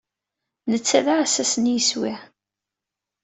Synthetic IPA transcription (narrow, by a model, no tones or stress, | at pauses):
nət͡sːæðaʕæsæsənjəswɪʕ